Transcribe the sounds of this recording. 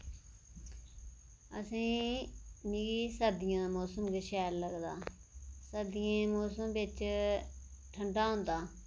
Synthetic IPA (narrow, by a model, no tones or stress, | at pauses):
ə̰sĩː | nɪɡiːsəd̪ɪjãːmoːsəmɡəʃɛːlləɡd̪aː | səd̪ɪjẽːmoːsəmbɪt͡ʃ | ʈʰəɳɖaːɦõːnd̪aː